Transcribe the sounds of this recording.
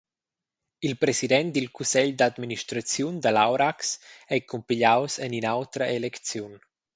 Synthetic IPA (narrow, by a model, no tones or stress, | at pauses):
ilpɾɛsid̪ɛnt̪̚d̪ilkusɛʎd̪ad̪miniʃt̪ɾat͡sjund̪əlawɾaksɛkumpiʎawsəninawt̪ɾəʔelɛkt͡sjun